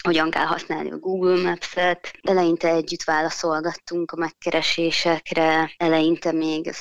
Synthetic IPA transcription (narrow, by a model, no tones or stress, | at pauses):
ho̞ɟɒŋkɛ̰lɦɒ̰snaːlnḭɒ̰ɡuːɡylmɛpsɛt̪ɛlɛjint̪ɛlɛɟːyt̪ʋaːlɒso̞lɡɒt̪ːuŋkɒmɛkːɛɾʔɛʃeːʃɛkrɛɛlɛjint̪ɛmeːɡ